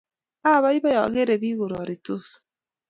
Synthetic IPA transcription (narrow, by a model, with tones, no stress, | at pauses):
a˦˨βa˦i˦βa˦ja̰˨ɣe˦ɾe˨βi˦ɣo˨ɾɔ˨ɾi˨tu˦sḁ˨